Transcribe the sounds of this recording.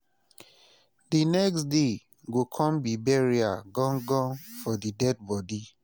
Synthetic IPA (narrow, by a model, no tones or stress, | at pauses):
dinɛksde | ɡokʰɔ̃mbibɛɹiaɡɔ̃ŋɡɔ̃nfɔdidɛd̚bɔdi